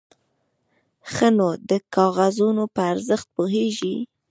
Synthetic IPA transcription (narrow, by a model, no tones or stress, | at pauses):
xənod̪əkɑɣazunopəaɾzəxt̪̚poɦeʒi